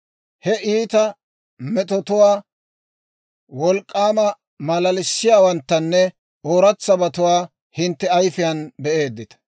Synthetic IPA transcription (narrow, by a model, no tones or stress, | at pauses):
hɛʔiːt̪ɐ | mɛt̪ɔt̪ʊwaː | wɔlkʼːaːmɐ | mɐlɐlɪsːɪjaːwɐnt̪ːɐnːɛ | oːɾɐt͡sːɐbɐt̪ʊwaː | hɪnt̪ːɛɐjfɪjɐnbɛʔe̞ːd̪ːɪt̪ɐ̥